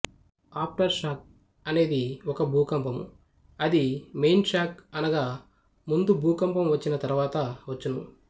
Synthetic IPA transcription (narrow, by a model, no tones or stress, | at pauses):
aːp̚ʰʈɐɾʃaːk̚ | ɐne̞ːd̪iɔkɐbʱuːkɐmpɐmu | ɐd̪imejnt͡ʃaːkɐnɐɡaː | mund̪ubʱuːkɐmpɐmʋɐt͡ʃːinɐt̪ɐɾuʋaːt̪ɐʋɐt͡ʃːunṵ